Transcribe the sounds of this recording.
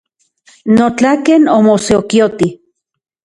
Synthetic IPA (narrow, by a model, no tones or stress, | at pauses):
not͡ɬakenomoseokiot̪i